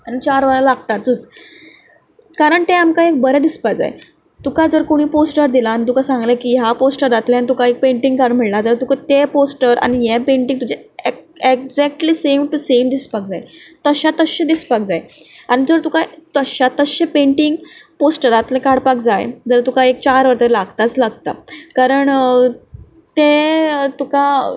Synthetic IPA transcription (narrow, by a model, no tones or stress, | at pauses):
anit͡ɕaɾʋəalalaɡt̪at̪̚d͡zut͡s | kaɾəɳt̪eamkaek̚bəɾɛd̪ispak̚d͡za̰j̰ | t̪ukad͡zəɾkoɽ̃iːposʈəɾd̪ilaːñit̪̬ukasãŋɡlekiːjaposʈəɾat̪leanit̪ukaek̚peɳʈiŋɡkaɽm̤əɭlad͡zəɾt̪ukat̪eposʈəɾa̰ɽ̃ijepẽɳʈĩŋt̪ud͡ʑee | ekd͡zɛk̚ʈliːsemʈusemd̪ispak̚d͡zaet̪əɕat̪əɕẽd̪ispak̚d͡zae | aɽ̃id͡zəɾt̪ukat̪əɕat̪əɕẽpẽɳʈiŋɡposʈəɾat̪lẽkaɽpakd͡zajd͡zəɾt̪ukaek̚t͡ɕaɾʋəɾt̪eɾlaɡt̪at͡slaɡ̚t̪a̰kaɾəɳ | t̪et̪uka